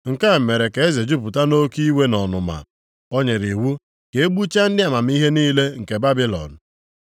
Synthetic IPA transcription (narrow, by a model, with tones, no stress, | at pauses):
ŋ̩˨ka˦˨me˨ɾe˨ke˨e˦ze˨d͡ʒu˦p̬u˨ta˦no˦ki˦we˦nɔ˨nʊ˨ma̰˨ | ɔ˦ɲe˨ɾi˨wu˦ | ke˨e˦ɡ͡bu˦t͡ʃa˦n̩˦dɪ˦a˨ma˨m̩˦i˦ɦe˦niː˦le˦ŋ̩˨ke˨ba˦bɪ˦lɔ̰˨n˨